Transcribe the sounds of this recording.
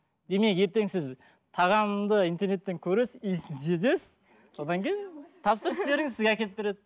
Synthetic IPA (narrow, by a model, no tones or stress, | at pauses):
d̪e̞me̞ke̞ɾt̪e̞ŋsɪz | t̪ʰɑʁɑmd̪əint̪e̞ɾne̞t̪ːe̞ŋkʲʰɵɾe̞sɪiszezesɪz | so̞d̪ɑŋkʲʰejɪnt̪ʰɑpsəɾəsbe̞ɾɪŋɪzsɪzɡʲeækʲe̞lɪp̚be̞ɾed̪ɪ